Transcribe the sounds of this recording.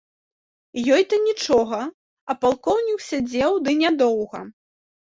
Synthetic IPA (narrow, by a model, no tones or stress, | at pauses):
jɔjt̪ɐnʲit͡ʂɔɣɐ | ɐpalˠkɔwnʲiksʲad͡zʲɛwd̪ɨnʲad̪ɔwɣɐ̰